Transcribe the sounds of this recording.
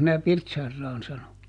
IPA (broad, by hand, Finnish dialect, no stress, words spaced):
mĭnæ pirtsɑrːɑːn sɑno